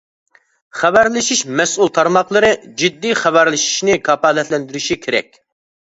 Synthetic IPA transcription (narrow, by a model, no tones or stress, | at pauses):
χɛbæɾlˠɪʃiʃmɛsulˠt̪ʰɑɾmɑχlˠɨɾɨd͡ʒid̪ːiχæbæɾlɪʃi̥ʃnɪkʰɑpɑːlɛt̪lɛnd̪yɾyʃikʲʰeɾɛ̰k̚ʲ